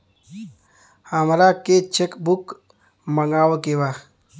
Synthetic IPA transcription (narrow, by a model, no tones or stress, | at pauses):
həmɾaket͡ʃʰekbuk | məŋɡaːwokeba